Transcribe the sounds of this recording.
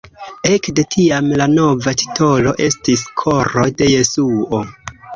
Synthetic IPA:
e̞kde̞tʰiamlano̞vati̥tʰo̞lo̞ʔe̞stiskʰo̞ɾo̞jde̞je̞suo

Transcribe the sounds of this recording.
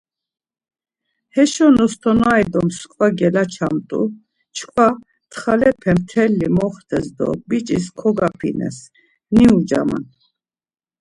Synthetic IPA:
hɛʃɔnɔst̪ʰɔnajd̪ɔmskʼvaɡɛlat͡ʃʰamt̪ʼṵ | t͡ʃʰkʰvwa | t̪ʰχalɛpʰɛmt̪ʰɛlːimɔχt̪ʰɛsd̪ɔ̰bit͡ʃʼiskʰɔɡapʰḭnɛ̰s | niud͡ʒa̰ma̰n

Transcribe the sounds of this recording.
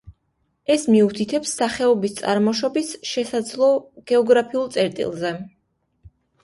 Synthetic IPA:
ɛsmiut̪ʰit̪ʰɛpsːaχɛɔbist̪sʼa̰ɾmɔʃɔbisʃɛsad̪zlˠɔɡ̥ɛɔɡɾapʰiulˠt̪sʼɛɾt̪ʼḭlˠzɛ

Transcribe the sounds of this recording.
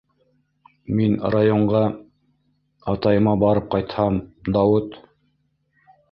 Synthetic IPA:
minrajoɴɢɑ | ɑt̪ɑjɤ̆mɑbɑɾɤp̚qɑjt̪hɑmd̪ɑwɤt̪

